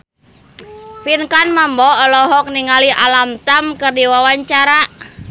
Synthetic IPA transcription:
pinkanmambɔːlɔɦɔk̚niŋaliʔalamt̪amkɨrdiwawaɲt͡ʃaɾa

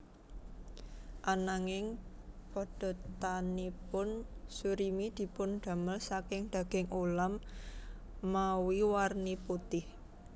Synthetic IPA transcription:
ʔanaŋɪŋpɔɖ̥ɔ̤t̪anipʊnsuɾimid̪̥i̤pʊnɖ̪̥a̤məlsakɪŋd̪̥a̤ɡ̥ɪŋʔolam | awiwarniput̪ɪh

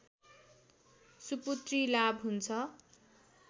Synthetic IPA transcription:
suput̪rilabɦunt͡sʰʌ

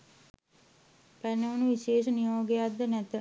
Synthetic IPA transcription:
pɛnɐʋɐnuʋiʃeːʃɐnijoːɡejad̪ɐnɛt̪ə

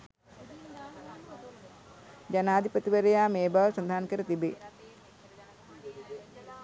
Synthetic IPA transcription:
d͡ʒanaːd̪ʱipət̪iʋəɾejaːmeːbaʋsɐnd̪ʱaɦːnkəɾət̪ibe

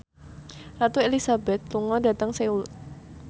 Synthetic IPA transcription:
rat̪uelisabɛt̪̚luŋɔda̤t̪əŋseul

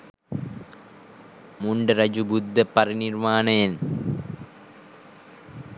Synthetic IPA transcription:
muɳɖɐɾɐd͡ʒubud̪ʱːɐpɐriniɾmaːnejn

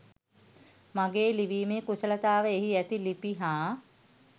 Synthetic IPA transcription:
maɡeːliʋiːmekusələt̪aːʋəeɦiæt̪ilipiɦaː

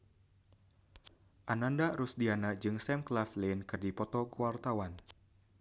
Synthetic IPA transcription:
ʔanandaɾusdianad͡ʒɨŋsɛmklaflenkɨrdipɔt̪ɔkuart̪awan

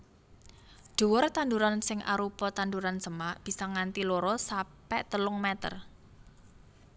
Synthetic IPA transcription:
d̥ṳwɔrt̪and̪uɾansɪŋʔa̰ɾupɔt̪and̪uɾansəmaʔb̥i̤sɔŋant̪iloɾɔsapɛʔt̪əlʊŋmɛt̪ə̰r

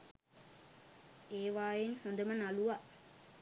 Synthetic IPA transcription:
eːʋaːjenhond̪əmənaluʋa

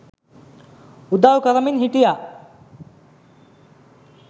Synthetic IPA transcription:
ud̪awkɐɾɐminɦiʈija

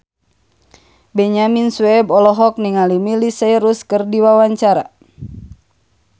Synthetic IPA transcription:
bɛɲaminsuɛbɔlɔɦɔk̚niŋalimilisajɾuskɨrdiwawaɲt͡ʃaɾa̰

